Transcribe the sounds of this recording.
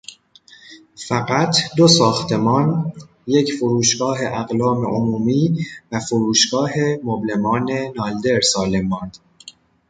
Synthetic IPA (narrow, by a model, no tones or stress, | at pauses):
fæɣæt̪ʰd̪o̞sɒːxt̪ʰe̞mɒːn | je̞cʰfoɾuːʃɡɒːɦe̞ʔæɣlɒːmḛʔomuːmiːvæfoɾuːʃɡɒːɦemoble̞mɒːne̞nɒːld̪e̞ɾsɒːlemːɒːnd̪̥